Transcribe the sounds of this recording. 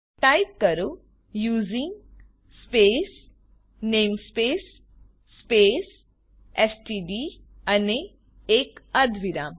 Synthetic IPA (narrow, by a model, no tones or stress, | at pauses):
ʈajp̚kəɾu | juːzĩŋɡ | speːs | neːmspeːsː | peːs | esʈiːɖi | ɐne | eːkɐd̪ʱʋiɾa